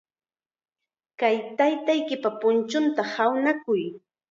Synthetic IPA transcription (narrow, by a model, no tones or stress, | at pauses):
kajt̪ajt̪ajkɪpapʊnt͡ʃʊnt̪ahawnakʊj